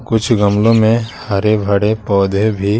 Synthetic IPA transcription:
kʊt͡ʃʰɡɐmlõmẽhaɾebʱɐɽepɔːd̪ʱebʱi

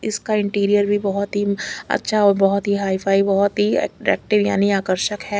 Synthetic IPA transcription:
ɪskaɪ̃ɳʈiːɾijəɾbʱibɐɦʊt̪ɦiɐ̰tːʃʰabɔɦɔt̪ɦiɦaːipʰaːibɐɦɔt̪ɦiɛ̰ːkʈɾɛ̰ːk̚ʈɪʋja̰ːniaːkəɾʃəkɦɛː

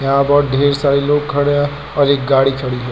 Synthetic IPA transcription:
jɐɦãbɔːɖʱeːɾsaːɾeloːkkʰːəɽeɦ | ɔːɾeːk̚ɡaːɽikʰəɽiɦɛ

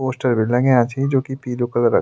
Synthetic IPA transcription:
oːsʈəɾbɪɖlɐ̃ŋẽat͡ʃʰid͡ʒoːkipiːlokəlɾɐ̰

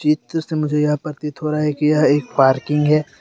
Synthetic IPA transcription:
t͡ʃit̪semʊd͡ʒʱejɐɦpɐɾt̪it̪ɦoːɾaɦɛkijɐɦeːkpaːɾkɪ̃ŋɡɦɛː

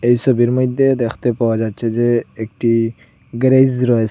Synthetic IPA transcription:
ejsɔbiɾmɔjd̪ed̪ekʰt̪epawad͡ʒad̚t͡ʃʰed͡ʒeːk̚ʈi | ɡɾejzɾɔe

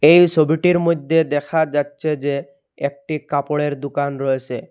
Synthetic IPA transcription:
ejsʰobiʈiɾmojd̪ʱːed̪ɛkʰad͡ʑatːɕʰed͡ʑe | ek̚ʈikapoɽeɾd̪ukanɾɔjet͡ɕʰe

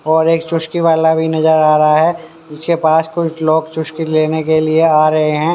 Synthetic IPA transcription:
ɔːɾeːkt͡ʃʊʃkiʋaːlabʱinɐzəɾaːɾɐɦaɦɛ | ɪskepaːskʊt͡ʃʰloːɡt͡ʃʊʃkileːnekelieaːɾɐɦeɦɛ̃ː

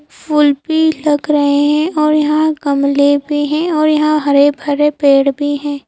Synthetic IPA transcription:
pʰʊlbilɐɡɾɐɦeɦɛ̃ʔɔːɾjɐɦãɡɐmlebʱiɦɛ̃ɔːɾjɐɦãɦɐɾebʱɐɾepeːɽbʱiɦɛ̃ː

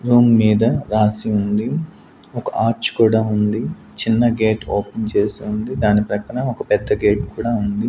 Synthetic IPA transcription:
ɾuːmːiːd̪ɐɾaːsiund̪i | ɔkɐʔaːɾt͡ʃkuːɽaːund̪i | t͡ʃinːɐɡe̞ːʈoːpent͡ʃe̞ːsiund̪id̪aːnipɾɐkːɐɳɐɔkɐpɛd̪ːɐɡe̞ːʈkuːɽaːund̪i

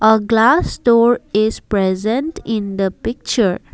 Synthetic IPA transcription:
ʔəɡlasʈɔɾɪzpɾɛzə̃nʈɪ̃nd̪əpɪk̚t͡ʃəɾ

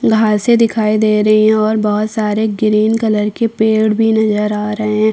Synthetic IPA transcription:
ɡʱaːɾsed̪ɪkʰaːid̪eːɾɐɦiɦɛ̃ɔːɾbɔɦʊt̪saːɾeɡɪɾiːnkɐləɾkepeːɽbʱinɐzəɾaːɾɐɦẽɦɛ̃ː

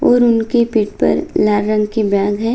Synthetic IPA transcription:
ɔːɾʊnkepɪʈ̚pɐ̰ɾlaːɾːə̃ŋɡkibjãːɡɦɛː

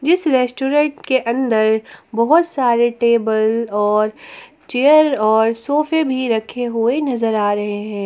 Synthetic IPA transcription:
d͡ʒɪsɾɛːsʈuːɾɛ̃ɳʈkeʔɐ̃nd̪əɾbɐɦʊt̪saːɾeʈeːbəlɔːɾ | t͡ʃejəɾɔːɾsoːfebʱiɾɐkʰeɦʊenɐzəɾaːɾɐɦeɦɛ̃ː

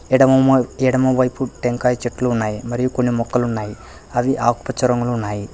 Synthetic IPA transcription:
ɽɐɛːɽɐmɐʋɐjpuʈeŋkaːjt͡ʃeʈːluːnːaːjimɐɾijuko̞nːimɔkːɐlunːaːji | ɐʋiʔaːku̥pɐt͡ʃːɐɾɐŋɡuluːnːaːji

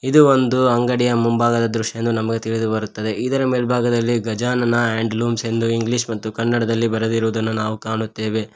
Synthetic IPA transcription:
id̪uo̞nd̪uɐŋɡɐɽijɐmumbaːɡɐd̪ɐd̪ɾuʂɐjend̪unɐmɐɡe̞t̪iɭid̪ubɐɾut̪ːɐd̪e̞ʔid̪ɐɾɐmeːlbʱaːɡɐd̪ɐlːiɡɐd͡ʒaːnɐnɐeːɳɖluːmse̞nd̪uiŋɡliʂmɐt̪ːukɐnːɐɽɐd̪ɐlːibɐɾɐd̪iɾuʋud̪ɐnːunaːʋukaːɳut̪ːe̞ːʋe̞

